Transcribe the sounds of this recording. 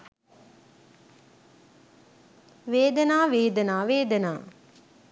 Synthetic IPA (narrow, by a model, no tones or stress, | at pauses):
ʋeːd̪ənaːʋeːd̪ənaːʋeːd̪ənaː